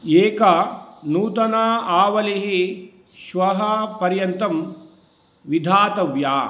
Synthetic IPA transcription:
eːkɐnuːt̪ɐnaːaːʋɐliɦi | ʃʋɐɦɐpɐɾjɐnt̪ɐm | ʋid̪ʱaːt̪ɐʋjaː

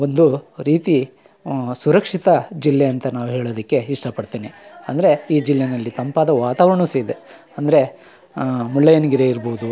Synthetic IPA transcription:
o̞nd̪uɾiːt̪i | suɾɐkʂit̪ɐd͡ʒilːeɐnt̪ɐnaːʋuɦe̞ːɭoːd̪ɐkːe̞iʂʈɐpɐɽt̪iːniɐ̰nd̪ɐɾe̞iːd͡ʒilːenɐlːit̪ɐmpaːd̪ɐʋaːt̪aːʋɾɐɳused̪e | ɐnd̪ɐɾe̞ | mulːɐjɐniɡiɾeːiɾboːud̪u

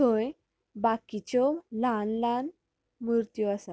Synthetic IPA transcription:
õj | bakit͡ɕɔlãnlãn | miɾt̪jɔasa

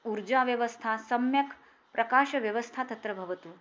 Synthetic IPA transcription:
uɾd͡ʒaʋjɐʋəst̪ʰasɐmjɐk | pɾʔɐkaːʃɐʋjɐʋəst̪ʰat̪ɐt̪ɾɐbʱɐʋɐt̪uː

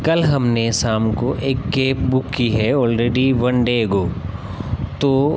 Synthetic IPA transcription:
kɐlɦɐmnesaːmkoʔeːkːeːpbʊkːiɦɛɔːlɾeːɖiʋɐ̃nɖeːɡoː | t̪oː

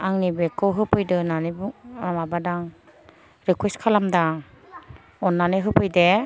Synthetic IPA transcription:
aŋnibekːɯwɦɯpʰɯjdɯnanɯbuamabadaŋ | ɾikweskʰalamdaŋ | ɔnːanɯɦɯpʰɯjde

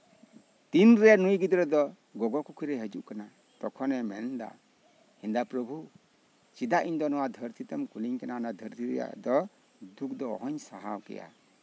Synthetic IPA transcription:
t̪inɾɛjanujɡid̪ɾɛd̪ɔ | ɡɔɡɔkɔkʰiɾɛɦəd͡ʒuʔkana | t̪ɔkʰɔnɛmɛnd̪a̰ | hind̪apɾɔbʱu | t͡ʃid̪aʔiɲd̪ɔnɔwad̪ʱəɾt̪ʰit̪amkuliɲkananad̪ʱəɾt̪ʰiɾɛ̰ja̰d̪ɔ | d̪uk̚d̪ɔɔ̰ɦɔɲsaɦawkɛ̰ja̰

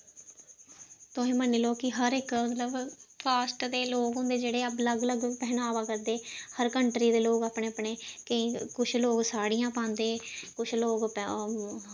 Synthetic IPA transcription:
t̪ʊẽːməniːloːkɪɦəɾɪkmət̪ləbkaːsʈd̪eːloːkɦʊ̃nd̪eːd͡ʒeːɽeːəpləɡləɡpɛɦnaːʋaːkəɾd̪eːhəɾkəɳʈɾiːd̪eːloːkaːpɳeːəpɳeːkəĩːkʊt͡ʃʰloːksaːɽijãːpãːnd̪eːkʊt͡ʃʰloːɡp

